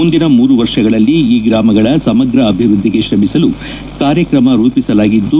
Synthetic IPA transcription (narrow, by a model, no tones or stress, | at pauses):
und̪inɐmuːɾuʋɐɾʂɐɡɐɭɐlːiːɡɾaːmɐɡɐɭɐsɐmɐɡɾɐːbʱiʋɾud̪ʱːiɡe̞ʃɾɐmisɐlu | kaːɾjɐkɾɐmɐɾuːpisɐlaːɡid̪ːu